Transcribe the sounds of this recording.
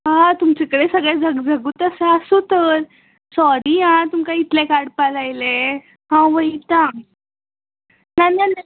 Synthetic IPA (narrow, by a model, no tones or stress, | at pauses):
ɦãt̪umt͡ɕekəɽesəɡɭɛd͡zəɡd͡zəɡuːt̪əsəəsot̪əɾ | sɔɾiɦãt̪umkãit̪lekaɽpalajle | ɦãʋəit̪ã | nanajna